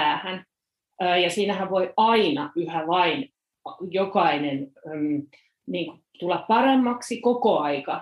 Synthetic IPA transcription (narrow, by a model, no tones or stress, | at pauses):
æːhænː | jɑsiːnæhæʋʋoiɑinɑyhæʋɑin | jokɑinenm | niːŋku | t̪ulːɑppɑremːɑksikokoɑikɑ